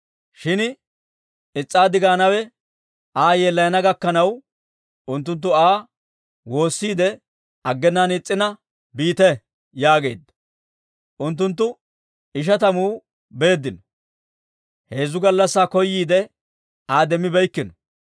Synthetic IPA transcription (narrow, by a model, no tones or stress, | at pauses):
ʃɪn | ɪt͡sʼːaːd̪ɪɡaːnɐwɛ | aːjeːlːɐjɐnɐɡɐkːɐnɐw | ʊnt̪̬ːʊnt̪̬ːʊaː | wo̞ːsːiːd̪ɛ | ɐɡːɛnːaːnɪt͡sʼːɪnɐ | biːt̪ɛ | jaːɡe̞̰ːd̪ːɐ̥ | ʔʊnt̪ːʊnt̪̬ːʊ | ɪʃ̬ɐt̪ɐmuː | be̞ːd̪ːɪnɔ | he̞ːzʊɡɐlːɐsːaːkɔjːiːd̪ɛ | aːd̪ɛmːɪbɛjkːɪnɔ̥